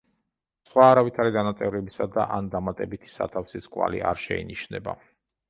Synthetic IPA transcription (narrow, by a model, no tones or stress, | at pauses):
sχwaːɾavit̪ʰaɾid̪anat̪sʼɛvɾɛbisad̪aʔand̪amat̪ʼɛbit̪ʰi̥sa̰t̪ʰafsiskʼwa̰lḭʔaɾʃɛḭniʃnɛba̰